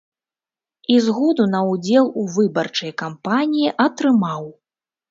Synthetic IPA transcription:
izɣɔd̪unɐud͡zʲɛlˠuvɨbɐrt͡ʂɐjkampanʲijiʔɐt̪ɾɨmaw

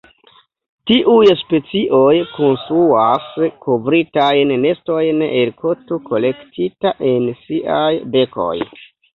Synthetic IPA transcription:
tiʔujspe̞t͡siʔo̞jko̞nst̪ɾuaskʰovɾitajnːe̞sto̞jnelkʰo̞toko̞le̞ktʰitaʔe̞nsiʔajbe̞ko̞̰j

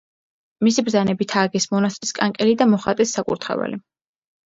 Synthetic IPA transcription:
misibɾzanɛbit̪ʰaːɡɛsmɔnast̪ʼiskʼaŋkʼɛlid̪amɔχat̪ʼɛsːakʼṵɾt̪ʰχɛ̰va̰li

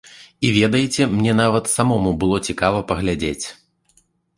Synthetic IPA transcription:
ivʲɛd̪ɐjit͡sʲɛmnʲɛnavɐt̪samɔmubɨlˠɔt͡sʲikavɐpɐɣlʲad͡zʲet͡sʲ

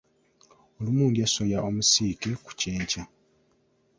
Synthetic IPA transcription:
olumuːŋɡesojaomusiːkeku̥ceːɲca

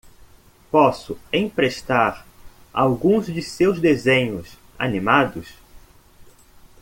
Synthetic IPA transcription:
pɔsʊẽj̃pɾeʃt̪aɾa̰wɡũzd͡ʒɪsewzd̪ezẽɲʊs | a̰nimad̪ʊs

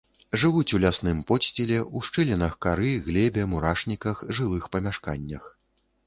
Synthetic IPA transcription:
ʐɨvut͡sʲulʲasnɨmpɔsʲt͡sʲɛlʲɛʔuʂt͡ʂɨlʲɛnɐxkaɾɨɣlʲɛbʲɛmuɾaʂnʲikɐxʐɨlˠɨxpɐmʲaʂka̰nʲːɐ̰x

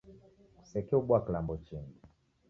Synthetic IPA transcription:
sɛkɛuɓwaklambɔt͡ʃini

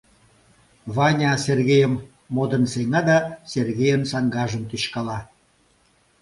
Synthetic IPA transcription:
βɑnʲɑserɣejəmː | od̪ənseŋɑd̪ɑserɣejənsɑŋɡɑʒəmt̪yɕkɑlɑ

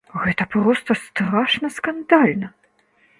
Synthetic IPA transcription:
ɣɛt̪ɐpɾɔst̪ɐst̪ɾaʂnɐskand̪alʲnɐ

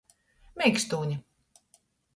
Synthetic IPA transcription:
mʲɛjkst̪uːɲi

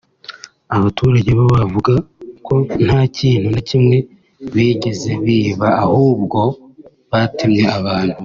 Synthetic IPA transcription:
aβatʰuɾaɟeβaβavuɡakʰo̞n̥haːciːn̥hunacimŋe̞ | βiːɟeze̞βiːβaahuːb̚ɡo̞ | βatimɲe̞aβaːn̥hu

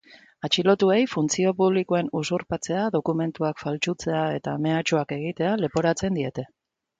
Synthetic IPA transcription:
at͡ʃilo̞t̪ue̞jfunt͡sio̞puβ̞likoe̞nusuɾpat͡se̞aðo̞kume̞nt̪uakfalt͡ʃut͡se̞ae̞t̪ame̞at͡ʃuake̞ɣ̞it̪e̞ale̞po̞ɾat͡se̞nd̪ie̞t̪e̞

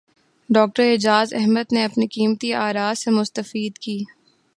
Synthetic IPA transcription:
ɖɔːk̚ʈəɾɪd͡ʒaːzɛɦməd̪neɐpnikiːmt̪iaːɾaːzsemʊst̪əfiːd̪kiː

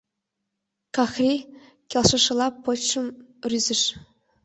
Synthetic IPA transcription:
kɑxrʲi | kʲelˠʂɤ̆ʂɤ̆lˠɑpɤ̆ʂɤ̆mrʲyzʲɘ̆ʂ

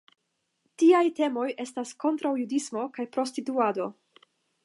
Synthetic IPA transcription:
tiajte̞mo̞je̞stasko̞ntɾawjudismo̞kajpɾo̞stituado̞

